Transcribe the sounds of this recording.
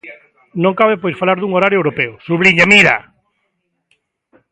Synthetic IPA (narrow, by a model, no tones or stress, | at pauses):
nõŋkaβepoiɾfalaɾðuŋoɾaɾjʊewɾopɛʊsuβliɲamiɾa̰